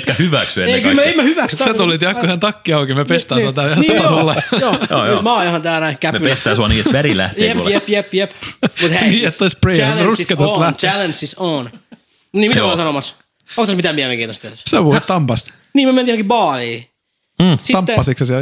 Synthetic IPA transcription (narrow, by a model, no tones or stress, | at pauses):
t̪kæhyʋæksyḛeikymæemmæhyʋæksset̪olːit̪jɑkkohænt̪ɑkːiɑukimepest̪æːuɑt̪æːhɑeɑolːɑjojo̰ːjmɑːjohɑnt̪æːnæikæmepest̪æːsuɑniːet̪ʋæɾilæ̰htjeḛjepjepjepmut̪hæniːet̪ːoisprenrusket̪ɑlæhælensison | niːmioisɑnomɑs | okt̪ːɑsmit̪æmiæmeŋkiːt̪ost̪eseʋuit̪t̪ɑmpɑst̪ | niːmyømenihoŋkibɑːliː | sit̪ɑmːpːɑsiksɑsiæ